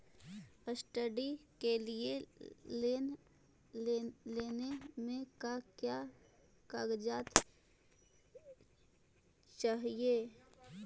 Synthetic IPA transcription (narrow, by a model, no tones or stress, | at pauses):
əsʈəɖikelie | leːnemẽkakja | kaːɡd͡ʒaːt̪ | t͡ʃaɦieː